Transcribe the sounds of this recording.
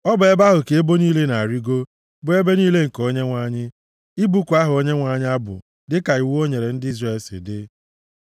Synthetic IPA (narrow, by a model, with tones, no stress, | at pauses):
ɔ˦bʊ˨e˦ba˦ɦʊ˨ke˨e˦bo˦niː˦le˦na˨ɾi˦ɡo˦ | bʊ˦e˦be˦niː˦le˦ŋ̩˨ko˦ɲe˦ŋʷa˦ɲɪ˦ | i˦bu˦kʷa˦ɦʊ˨o˦ɲe˦ŋʷa˨˦ɲɪ˦a˦bʊ̰˨ | dɪ˦ka˨i˨wo˦ɲe˨ɾe˨n̩˦dɪ˦i˦zre˨lsɪ̰˨dɪ˦